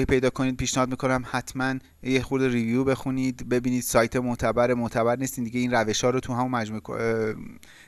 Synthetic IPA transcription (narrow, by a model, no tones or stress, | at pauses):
hipʰe̞jd̪ɒːkʰo̞niːd̪̚pʰiːʃnehɒːd̪miːkʰo̞næmhæt̪ʰmæn | jexuɾd̪erivjuːbe̞xuniːd̪be̞biːniːd̪̥sɒːjt̪ʰemot̪ʰæbæɾemot̪ʰæbæɾnist̪iːnd̪iɟe̞iːnræve̞ʃhɒːɾot̪ʰuɦæmomæd͡ʒmukʰ